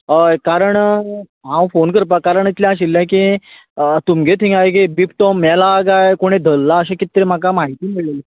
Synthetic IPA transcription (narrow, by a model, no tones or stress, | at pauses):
əkaɾəɳ | ɦãwfonkəɾpakaɾəɳit̪ljãaɕ̬ilːãki | t̪umɡet̪ʰĩŋɡajk̬ibipʈ̪ɔmːɛlaɡajkoɽ̃ed̪ʱəlːaəɕekit̪ɾem̤akamaɦit̪iːmiɭlele